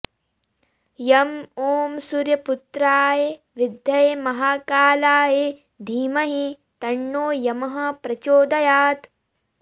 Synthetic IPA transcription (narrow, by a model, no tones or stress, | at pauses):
jɐmoːmsuɾjɐput̪ɾaːje | ʋid̪ʱjɐjemɐɦaːkaːlaːje | d̪ʱiːmɐɦi | t̪ɐɳːoːjɐmɐɦɐ̆pɾɐt͡ʃoːd̪ɐjaːt̪